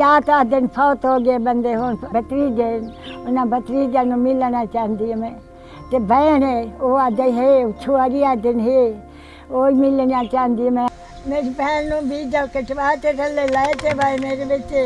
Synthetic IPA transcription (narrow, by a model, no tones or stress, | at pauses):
aːt̪aːd̪ɪnpʰɔːt̪ɦoːɡeːbənd̪eːɦoːnbət̪ɾiːd̪eːnʊnãːbət̪ɾiːd͡ʒ̪aːnũːmɪlnaːt͡ʃaːɦnd̪ijomɛ̃ː | t̪eːbəneːoːaːd̪eɦeːʊt͡ʃʰuːaɾiːaːd̪ɪnɦeː | oːimɪlnãːt͡ʃaːɦnd̪imɛ̃ː | mepɛːnnũːbiːd͡ʒ̪aːkɪʈʋaːt̪eːt̪əlːeːlaet̪eːbameːɾeːbɪt͡ʃː